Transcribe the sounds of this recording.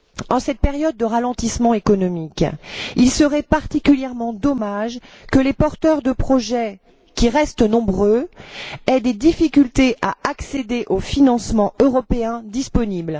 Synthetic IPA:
ɑ̃sɛt̪̚peʁjɔd̪̚ːəʁalɑ̃t̪ismɑ̃ekɔnɔmikilsəʁɛpaʁt̪ikʲyljɛʁmɑ̃d̪ɔmaʒ | kəlepɔʁt̪œʁd̪əpχɔʒɛ | kʲiʁɛst̪nɔ̃bʁø | ɛd̪ed̪ifikʲylt̪eʔaaksed̪eʔofinɑ̃smɑ̃øʁɔpeɛ̃d̪ispɔnibl

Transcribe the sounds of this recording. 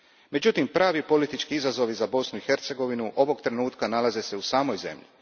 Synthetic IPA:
me̞d͡ʑut̪impɾaːʋipo̞lit̪it͡ʃkiizazo̞ʋizabo̞snuixe̞ɾt̪se̞ɡo̞ʋinuʔo̞ʋo̞ɡt̪ɾe̞nuːt̪kanalazese̞usaːmo̞jze̞̰mʎḭ

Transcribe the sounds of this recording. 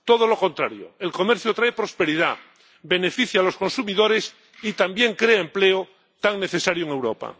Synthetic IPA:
t̪oð̞oloko̞nt̪ɾaɾjo̰elko̞meɾθjot̪ɾaepɾo̞spe̞ɾiða | be̞ne̞fiθjaːlo̞sko̞nsumiðoɾes | it̪ambje̞ŋkɾeaempleo | t̪aŋneθesaɾjoeŋe̞wɾo̰pa̰

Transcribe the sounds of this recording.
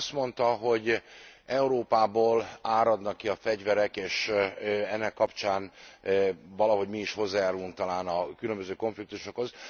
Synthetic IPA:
st̪mo̞nt̪ɒɦo̞ɟɛuɾoːpaːboːlaːɾɒd̪nɒkːiɒfɛɟvɛɾɛkeːʃ | ɛnːɛkːɒpt͡ʃaːn | vɒlɒɦo̞ɟmiːʃho̞zːaːjaːɾuluŋk̚t̪ɒlaːnɒkylømbøzøːko̞ɱflik̚t̪uʃo̞kho̞z

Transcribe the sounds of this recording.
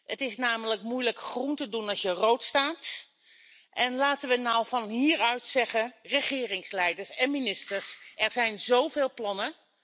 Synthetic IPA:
ətɪsnaːmələkmujləkχruntədunɑsjərowtstaːt | ʔɛnlaːtəʋənɔwvɑnɦiːɹœɥtsɛχərəχɪːrɪŋslɛjdəɹsɛnminɪstəɹsʔɛɹzɛjnzowveːlˠplɑnə

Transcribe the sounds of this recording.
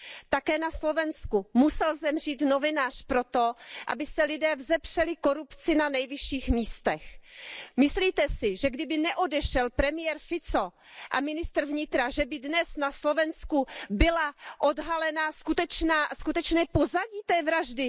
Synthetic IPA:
t̪akɛːnaslo̞vɛnskumusɛlzɛmr̝iːt̪no̞vɪnaːr̝̥pɾo̞t̪o̞ʔa̰bɪsɛlɪdɛːvzɛpr̝̥ɛlɪko̞ɾupt͡sɪnanɛjvɪʃiːxmiːst̪ɛxmɪsliːt̪ɛsɪʒɛɡdɪbɪnɛʔodɛʃɛlpɾɛmɪjɛɾfɪt͡so | ʔa̰mɪnɪst̪r̩vɲɪt̪ɾaʒɛbɪdnɛsnaslo̞vɛnskubɪlaʔodɦalɛnaskut̪ɛt͡ʃnaːskut̪ɛt͡ʃnɛːpo̞zaɟiːt̪ɛːvɾaʒdɪ

